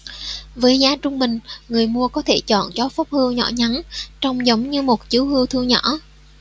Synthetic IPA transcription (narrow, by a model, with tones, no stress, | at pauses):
vəː˨˦jzaː˨˦t͡ɕʊ˧ŋ͡mɓï˨˩ŋ̟ŋɨ˨˩əjmu˧əkɔ˨˦t̪ʰe˧˩t͡ɕɔ̰˧˨nt͡ɕɔ˧fa˦˥p̚hɨ˧əwɲɔ̰˧˩ɲa˨˦nt͡ɕɔ˧wŋ͡mzə˨˦wŋ͡mɲɨ˧mo˨˩t̚t͡ɕɨ˨˦whɨ˧əwt̪ʰɨ˧əwɲɔ̰˧˩˨